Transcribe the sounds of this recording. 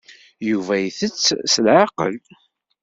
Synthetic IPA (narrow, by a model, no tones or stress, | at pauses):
juvæjθət͡sːsəlʕaqə̰l